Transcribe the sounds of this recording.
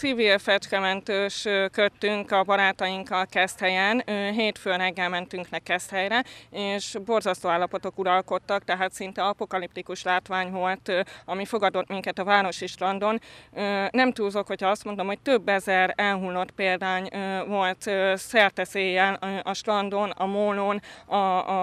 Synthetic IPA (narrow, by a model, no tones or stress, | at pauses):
sivilfɛt͡ʃkɛmɛnt̪øːʃøkøt̪ːyŋkɒbɒɾaːt̪ɒjiŋkːɒlkɛst̪hɛjɛnɦeːt̪føːrɛɡːɛlmɛnt̪yŋknɛkːɛst̪hɛjɾɛeːʃbo̞rzɒst̪oːaːlːɒpo̞t̪o̞kuɾɒlko̞t̪ːɒkt̪ɛɦaːt̪sint̪ɛɒpo̞kɒlip̚t̪ikuʃlaːt̪ʋaːɲvo̞lt̪ɒmifo̞ɡɒd̪o̞t̪miŋkɛt̪ɒvaːɾo̞ʃiʃrɒnd̪o̞nøːɛmt̪uːlzo̞khochɒɒst̪mo̞nd̪omho̞c̚t̪ø̞bːɛzɛrɛlɦulːo̞t̪peːld̪aːɲvo̞lt̪sɛrt̪ɛseːjːɛløʔɒʃrɒnd̪onɒ̰monoːnɒ